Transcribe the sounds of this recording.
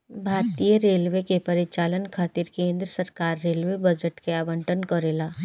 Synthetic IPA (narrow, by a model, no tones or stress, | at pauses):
bʱaːɾt̪ijəɾeːlʋekepɐɾɪt͡ʃaːlənkʰaːt̪iɾkẽːnd̪ɾəsəɾkaːɾːeːlʋebɐd͡ʒəʈkeaːbəɳʈənkɔɾelaː